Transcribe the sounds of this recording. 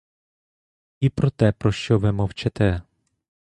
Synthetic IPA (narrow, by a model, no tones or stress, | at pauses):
ipɾɔt̪ɛpɾɔʃt͡ʃɔʋɪmɔwt͡ʃɛt̪ɛ